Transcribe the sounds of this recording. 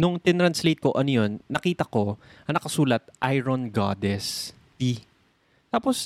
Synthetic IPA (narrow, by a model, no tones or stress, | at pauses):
nʊŋt̪ɪt̪ɾɐnslejt̪̚ko̞ʔɐnojonːɐkiːt̪ɐko̞ɐŋnɐkɐsuːlɐt̪̚ʔajɾonɡa̰ːd̪ɛs | t̪i | t̪aːpos